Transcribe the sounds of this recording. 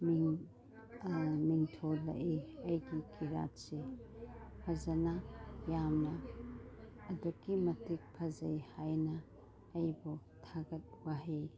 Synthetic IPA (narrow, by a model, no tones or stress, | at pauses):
miŋ | miŋtʰolɐ̰ʔeɐjɡikʰiɾa̰tse | pʰɐzɐnajamnɐː | duɡimɐtik̚pʰɐzɐjhajnɐː | jbotʰaɡɐt̚waɦe